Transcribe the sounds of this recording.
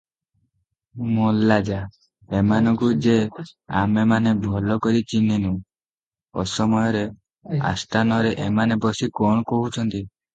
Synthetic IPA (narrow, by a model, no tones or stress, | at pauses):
molad͡ʒa | emanɔ̃ŋkud͡ʒea̰memanebʱɔlɔkɔɾit͡ʃininũ | ɔ̰sɔmɔjɔɾe | a̰st̪ʰanɔɾeʔemanebɔsikɔɳ̃ɔkɔɦut͡ʃʰɔnt̪i